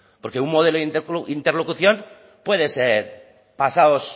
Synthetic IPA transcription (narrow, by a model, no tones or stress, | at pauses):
po̞ɾke̞uŋmo̞ðeloðinint̪eɾlokuθjo̞n | pwe̞ðeseɾ | pasaos